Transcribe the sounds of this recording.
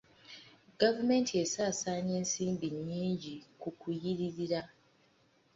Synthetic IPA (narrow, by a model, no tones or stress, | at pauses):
ɡavume̞ːntie̞saːsaːɲe̞ːnsiːmbiɲːiːɲɟikukujiɾiɾiɾa